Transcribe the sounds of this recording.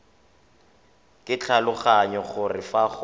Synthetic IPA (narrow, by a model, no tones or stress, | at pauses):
kʼɪt͡ɬʰalʊχaɲɔχʊrɪfaχ